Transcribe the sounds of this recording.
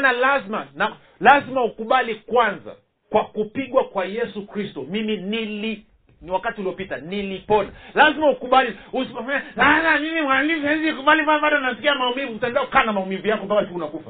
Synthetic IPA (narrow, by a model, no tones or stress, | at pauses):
nalazmana | lazimaukuɓalikwanza̰ | kwakupiɠwakwajɛsukɾistɔmiminili | niwakatiuliɔpitanilipɔnalazimaukuɓaliuskafaɲaaamimimwalivɛzikuɓalimfanɓaɗanasi̥kiamaumivuutaɛndaku̥kaːnamaumivujakɔmpakatuunakufa